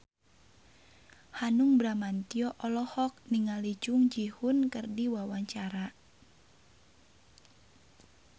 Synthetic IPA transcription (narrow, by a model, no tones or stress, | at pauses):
hanuŋbɾamant̪iɔʔɔlɔhɔk̚niŋalid͡ʒʊŋd͡ʒihunkərdiwawaɲt͡ʃaɾa